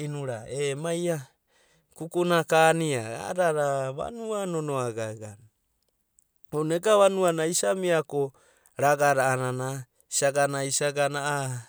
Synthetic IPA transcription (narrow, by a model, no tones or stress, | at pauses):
inuɾa̰emaja | kukunakaniaa̰ɾaɾaβa̰nuanonoaɡaɡa̰ | oneɡaβanuanaisamiako | ɾaɡaɾaːnana | i̥saɡanaisaɡanaa